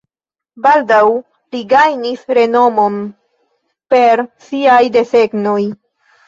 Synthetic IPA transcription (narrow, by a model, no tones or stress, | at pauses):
baldaw | liɡajnisɾe̞no̞mo̞n | pe̞ɾsiajde̞se̞ɡnoj